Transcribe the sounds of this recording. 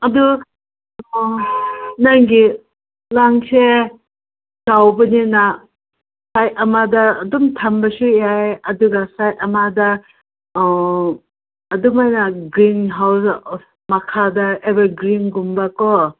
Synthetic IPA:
ɐdu | najɡi | laŋse | z̥awbɐnina | sajɐmadaːdumtʰambasujajɐduɡasajɐmada | ɐdumajnaɡɾinɦaws | mɐkʰadaebaɡɾinɡumbakɔ

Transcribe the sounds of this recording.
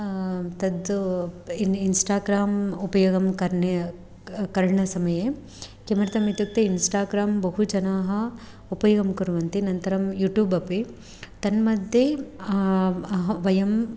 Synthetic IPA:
t̪ɐd̪ | insʈaːɡɾaːmupɐjoːɡɐmkɐɾɳe | kɐɾɳɐsɐmɐjeː | kemɐɾɐt̪ɐmit̪juk̚t̪einsʈaːɡɾaːmbɐɦud͡ʒɐnaːɦɐ | upɐjoɡɐmkuɾʋɐnt̪inɐnt̪ɐɾɐmjuːʈjuːbɐpi | t̪ɐnmɐd̪ʱje | ɦʋɐjɐm

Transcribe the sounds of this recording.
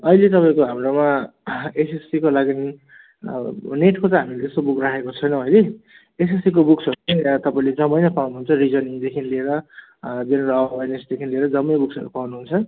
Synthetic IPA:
ʌilet̪ʌpaĩkoɦamroma | esesikolaɡin | neʈkot͡sʌ̃ɦamilet̪est̪obukrakʰekot͡sʰʌjnʌ̃ʌjle | esesik̬obuksʌɾupʌnat̪ʌpaĩled͡zʌmʌjnʌpawnuɦunt͡sʰʌrid͡zʌniŋd̪ekʰinlieɾʌ | benɾʌbajnesd̪ekʰinlieɾʌd͡zʌmːʌjbuksʌ̰ɾupawnuɦunt͡sʰʌ

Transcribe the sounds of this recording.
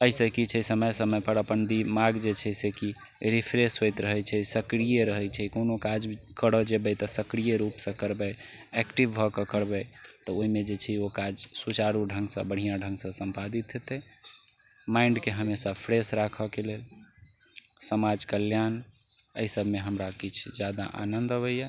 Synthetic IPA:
əisəkit͡ʃʰəsəməjsəməjpəɾəpənd̪imaɡd͡ʒet͡ʃʰɛsɛki | ɾipʰɾesɦojt̪ɾəɦɛt͡ʃʰɛsəkɾijeɾəɦɛt͡ʃʰɛkonokad͡ʒkəɽɔd͡ʒebɛt̪ɔsəkɾijeɾupsə̃kəɾbɛ | ɛkʈiʋbʱɔkəkəɾbɛt̪ɔoimed͡ʒet͡ʃʰɛokad͡ʒsut͡ʃaɾuɖʱə̃ŋɡsə̃bəɽ̤ijãɖʱə̃ŋɡsə̃sə̃mpad̪it̪ɦet̪ɛ | maɪɳɖkeɦəmesapʰɾesɾakʰəkelel | səmad͡ʒkəljan | ə̰isəbʱmeɦəmɾakit͡ʃʰd͡ʒjad̪a̰ʔa̰nənd̪əβəjja

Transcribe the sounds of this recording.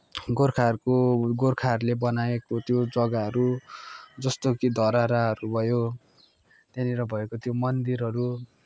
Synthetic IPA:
ɡorkʰarkoɡorkʰarlebʌnaekot̪jod͡zʌɡaɦʌɾu | d͡zʌst̪okid̪ʱʌɾaɾaɦʌɾubʱʌjo | t̪eniɾʌbʱʌekot̪jomʌnd̪iɾɦʌɾu

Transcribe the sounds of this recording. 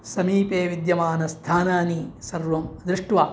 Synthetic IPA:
sɐmiːpeːʋid̪jɐmaːnɐst̪ʰaːnaːnisɐɾʋɐmɐd̪ɾɪʂʈʋaː

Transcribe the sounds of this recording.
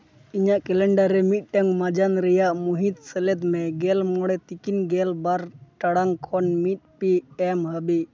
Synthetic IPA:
iɲaʔkɛlɛɳɖaɾɛmit̪̚ˀʈaŋmad͡ʒanɾɛjaʔmuɦit̪̚səlɛd̪mɛɡɛlmɔɽɛt̪ikinɡɛlbaɾʈaɽaŋkʰɔnmit̪̚piɛmɦəbi

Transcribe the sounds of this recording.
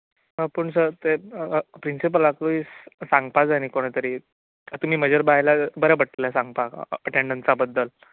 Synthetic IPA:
əpəɳsəɾt̪epɾinsip̬əlakuisãŋɡ̚pad͡zanikoɽ̃et̪əɾiː | at̪um̤iːməd͡ʑʱəɾbajlabəɾabəʈlilasaŋɡ̚paəʈeɳɖənt͡sabəd̪ʱːəl

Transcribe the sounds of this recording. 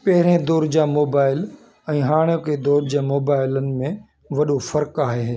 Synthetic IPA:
pɐɦɪɾẽd̪ɔːɾd͡ʑaːmoːbaːɪl | ɛ̃ːɦaːɽ̃okʰed̪ɔːɾd͡ʑaːmoːbaːɪlənɪ̆mẽ | ʋɐɗofɐɾkaːɦeɦː

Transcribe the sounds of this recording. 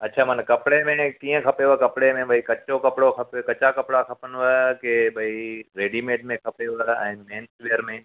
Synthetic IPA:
ɐtːʃʰaːmɐnkɐpɽemẽkiːə̃kʰɐpeʋkɐpɽemẽbɐikɐt͡ɕokɐpɽokʰɐpkɐt͡ʃakɐpɽakʰɐpənʋəkebɐiɾeːɖimeːʈ̚mẽkʰɐpeʋəɛ̰̃ːmẽːnsʋejəɾmẽ

